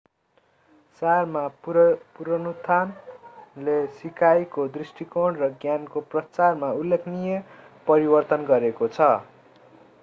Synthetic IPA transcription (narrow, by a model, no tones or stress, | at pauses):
sarmapuɾʌnut̪ʰanlesikajkod̪risʈikoɽrʌɡjankoprʌt͡sarmaulːekʰnije | pʌɾibʌrt̪ʌnɡʌɾekot͡sʰʌ